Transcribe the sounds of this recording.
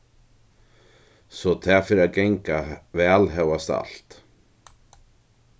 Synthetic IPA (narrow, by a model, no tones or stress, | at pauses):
sɔt̪ʰæfɪɾaɡɛŋkavɛːlɦɛwast̪a̰lt̪